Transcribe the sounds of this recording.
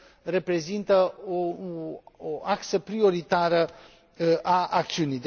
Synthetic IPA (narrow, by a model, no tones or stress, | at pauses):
re̞pɾe̞zint̪əo | oʔaksəpɾio̞ɾit̪aɾə | ʔaʔak̚t̪siunijd̪